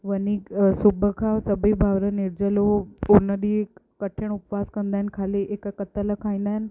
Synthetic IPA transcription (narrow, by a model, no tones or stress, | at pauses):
ʋɐnisʊbʱəkʰãsɐbʱibʱaːʋɾənɪɾd͡ʑəloʊnəɗikɐʈʰəɽ̃ʊpʋaːskɐ̃nd̪aːɪnɪ̆kʰaːliekkɐt̪ələkʰaĩːnd̪aːɦɪnɪ̆